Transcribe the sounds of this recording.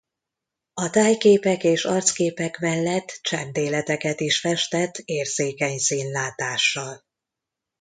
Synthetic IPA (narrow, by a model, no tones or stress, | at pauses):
ɒt̪aːjkeːpɛkeːʃɒrt̪skeːpɛkmɛlːɛt̪ːt͡ʃɛnt̪eːlɛt̪ɛkɛt̪iʃfɛʃt̪ɛt̪ʰːeːrzeːkɛɲsiːnlaːt̪aːʃːɒl